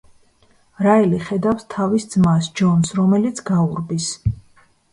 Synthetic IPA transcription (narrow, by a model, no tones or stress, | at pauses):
ɾailiχɛd̪afst̪ʰavisd̪zmasd͡ʒɔnsɾɔmɛlit̪sʰɡauɾbis